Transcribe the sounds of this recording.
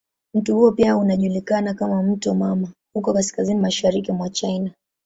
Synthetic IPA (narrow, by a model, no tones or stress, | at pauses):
m̩tuhuɔpiaunaʄulikanakamam̩tɔmamahukɔkaskazinimaʃaɾikimwat͡ʃaina